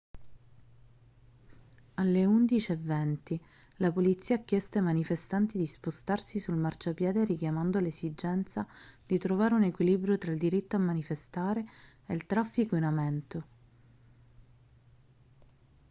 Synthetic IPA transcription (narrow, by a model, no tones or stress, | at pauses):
alːeund̪it͡ʃiɛvːɛnt̪i | lapolit̪sːiːakːjɛst̪amanifest̪ant̪id̪ispost̪arsisulmart͡ʃapjɛːd̪eɾikjamand̪olezid͡ʒɛnt̪sad̪̥it̪ɾovaːɾeunekwilibɾjot̪ɾaild̪iɾit̪ːoamːanifest̪aːɾe | elt̪ɾafːikoinamɛnt̪o